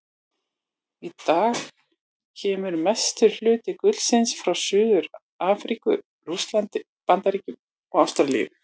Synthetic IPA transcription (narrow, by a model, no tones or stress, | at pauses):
it̪aːx | cʰɛːmʏɾmɛst̪ʏɾ̥l̥ʏːt̪ɪkʏt̪lsɪnsfɾawsʏːðʏɾ | aːfɾiːkʏ̰ | rust̪lant̪ɪ | pant̪aɾiːcɪ | ɔawst̪ɾalḭː